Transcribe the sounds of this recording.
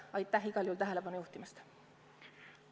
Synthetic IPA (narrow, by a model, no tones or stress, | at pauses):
ɑjt̪ːæɦiɡ̥ɑljuːlt̪æɦele̞pɑnujuht̪imɑst̪